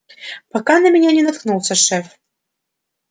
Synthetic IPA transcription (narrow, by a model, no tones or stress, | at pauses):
pɑkɑnɐmʲenʲɛnʲɛnɐt̪̚knulˠsʲəʂɛf